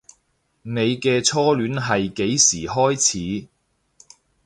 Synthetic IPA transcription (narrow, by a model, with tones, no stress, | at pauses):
ne˨˧jkɛː˧t͡sʰɔː˥lyː˨˥nɦɐ˨jke˨˥jsiː˨˩ɦɔː˥jt͡sʰiː˨˥